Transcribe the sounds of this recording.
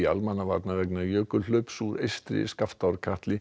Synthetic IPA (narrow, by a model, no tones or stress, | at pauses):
a̰lmanːava̰ɾt̪navɛknajœːkʏl̥ʏːpsuːɾḛjst̪ɾɪ̰skaft̪awɾkʰaht̪lɪ